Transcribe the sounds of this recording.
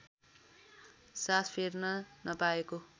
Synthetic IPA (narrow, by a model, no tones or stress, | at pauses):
saspʰernʌnʌpaeko